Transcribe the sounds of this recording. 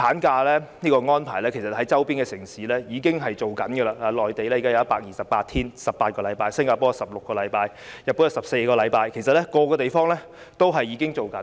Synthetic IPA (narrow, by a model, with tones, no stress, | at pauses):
aː˨˥nkaː˧lɛː˥niː˥kɔː˧ŋɔː˥npʰaː˨˩lɛː˥kʰe˨˩jsɐ˨˩t̚hɐ˨˦jt͡sɐ˥wpiː˥nkɛː˧sɪ˨˩ŋsiː˨˥lɛː˥jiː˨˧kɪ˥ŋɦɐ˨jt͡ʃo˨wkɐ˨˥nɡə˧laː˧laː˨˧lɔː˨jt̪e˨jlɛː˥ji˨ka˥jɐ˧˦ɐ˥paː˧k̚jiː˨˩sɐ˨p̚paː˧t̪̚ʰiː˥nsɐ˨p̚paː˧t̚kɔː˧lɐ˨˧˦jpaː˧jsɪ˥ŋkaː˧pɔː˥˨sɐ˨p̚lʊ˨kːɔː˧lɐ˨˧jpaː˧j | jɐ˨pːu˨˥nɐ˨˩sɐ˨p̚se˧jkɔː˧lɐ˨˧jpaː˧jkʰe˨˩js̬ɐ˨t̚lɛ˥kɔː˧kɔː˧t̪e˨jfɔː˥ŋlɛː˥ | t̪o˥wɦɐ˨jːiː˨˧kɪ˥ŋt͡ʃo˨wkɐ˨˦n